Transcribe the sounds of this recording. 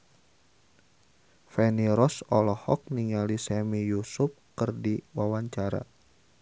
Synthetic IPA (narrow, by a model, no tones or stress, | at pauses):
fɛniɾɔsɔlɔhɔ̰k̚niŋalisɛmijusʊp̚kərdiwawaɲt͡ʃaɾa̰